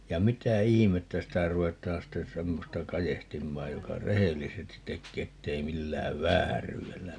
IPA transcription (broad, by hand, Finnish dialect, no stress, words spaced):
jɑ mitæ ihimetːæ sitæ ruetˑɑːn sten̞ semːostɑ kɑjehtimːɑːj jokɑ rehelːisestit tekːeː etːei milːæːʋ ʋæːryːelːæ